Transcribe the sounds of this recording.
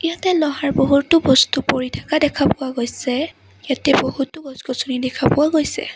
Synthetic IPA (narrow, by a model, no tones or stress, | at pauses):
ijatɛlɔɦaɹboɦutːʊbɔstupoɹitʰakadɛkʰapʊwaɡojsɛ | ijatɛboɦutːʊɡɔzɡɔsunidɛkʰapʊwaɡojsɛ̰